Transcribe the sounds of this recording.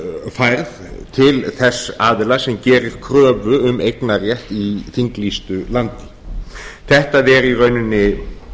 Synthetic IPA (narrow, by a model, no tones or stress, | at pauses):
fajɾðt̪ʰɪlθɛsːaːðɪlasɛmcɛːɾɪɾ̥kʰɾœːvʏʏmejknarjɛht̪iθiŋklist̪ʏlant̪ɪ̥ | θɛht̪aðɛɾirœɥnʏnːɪ